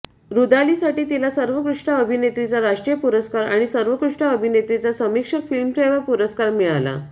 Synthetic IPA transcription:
ɾud̪aliːsaʈiːt̪ilasəɾʋəkɾuʂʈaəbʱinet̪ɾit͡saɾaʂʈɾijəpuɾəskaɾa̰ɽ̃isəɾʋəkɾuʂɳaəbʱinet̪ɾit͡sasəmikʂəkfilmfeʋapuɾəskaɾmiɭala̰

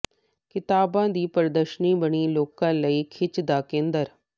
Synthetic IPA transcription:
kɪt̪aːbãːd̪iːpəɾd̪əʃniːbəɳiːloːkãːləiːkʰɪt͡ʃd̪aːkẽːnd̪əɾ

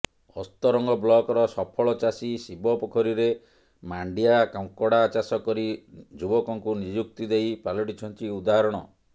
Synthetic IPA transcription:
ɔst̪ɔɾɔŋɡɔblɔkɔɾɔsɔpʰɔɭɔt͡ʃasisibɔpɔkʰɔɾiɾe | maɳɖiakaw̃kɔɽaːt͡ʃasɔkɔɾid͡ʒubɔkɔŋkunid͡ʒuk̚t̪id̪ejpalɔʈit͡ʃʰɔnt͡ʃiud̪aɦɔɾɔɽ̃ɔ̰

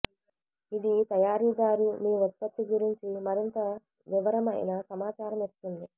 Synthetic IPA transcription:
id̪it̪ɐjaːɾiːɡaːɾumiːʋɔt̪̚pɐt̪ːiɡuɾiɲt͡ʃimɐɾint̪ɐ | ʋiʋɐɾɐmɐj̰nɐsɐmaːt͡ʃaːɾɐmist̪und̪i

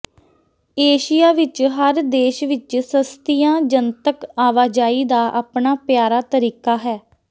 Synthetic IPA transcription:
eːʃɪjaːʋɪt͡ʃɦəɾd̪eːʃʋɪt͡ʃsəst̪ijãːd͡ʒənt̪əkaːʋaːd͡ʒaːiːd̪aːʔa̰ːpɳaːpjaːɾaːt̪əɾiːkaːɦɛː

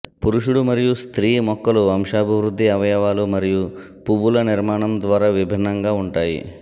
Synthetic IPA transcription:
puɾuʂuɽumɐɾijust̪ɾiːmɔkːɐluɐmʂaːbʱiʋɾud̪ʱːiɐʋɐjɐʋaːlumɐɾiju | puʋːulɐniɾmaːɳɐmd̪ʋaːɾaːʋibʱinːɐŋɡaːuɳʈaːjḭ

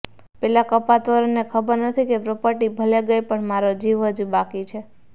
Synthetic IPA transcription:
pɛlakəpat̪oɾnekʰəbəɾnət̪ʰikepɾopəʈibʱəleɡəjpəɳmaɾod͡ʒiʋɦəd͡ʒubakit͡ʃʰe

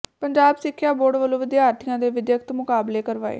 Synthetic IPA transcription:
pəɲd͡ʒaːbsɪkʰːjaːboːɖʋəlõːʋɪd̪ɪjaːɾt̪ʰɪjãːd̪eːʋɪd̪jəkt̪mʊkaːbleːkəɾʋaːḛː

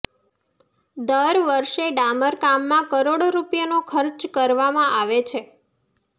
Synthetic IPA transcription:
d̪əɾʋəɾʃeɖaməɾkamːãkəɾoɽoɾupjanokʰəɾt͡ʃkəɾʋamãʔaʋet͡ʃʰe

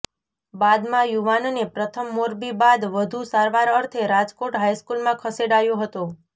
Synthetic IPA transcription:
bad̪mãjuʋanonepɾət̪ʰəmːoɾbibad̪ʋəd̪ʱusaɾʋaɾəɾt̪ʰeɾad͡ʒkoʈɦajskulmãkʰəseɽajõɦət̪ũ

